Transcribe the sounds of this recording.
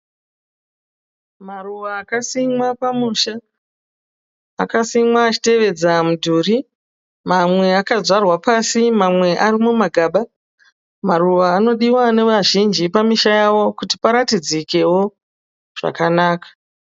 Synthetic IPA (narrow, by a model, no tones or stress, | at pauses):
maruʋaːkasimwapamuʃa | kasimwaːt͡ʃi̥te̞ʋe̞d͡zamudʱuːri | mamwe̞akazarwapasimamwe̞ʔarimumaɡʱaɓa | maruʋaːno̞ɗiwane̞ʋaʒind͡ʒipamiʃajawo̞kuti̥paɾatid͡zike̞wo̞ | ʐ̥a̰kanaːkḁ